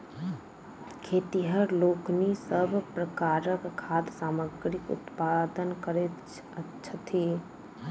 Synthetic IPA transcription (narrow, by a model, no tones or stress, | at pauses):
kʰeːt̪iɦəɾloːknisəbʱpɾəkaːɾəkkʰːaːd̪saːməɡɾɪkʊ̰t̪pad̪ənkəɾe | ə | ʃʰət̪ʰi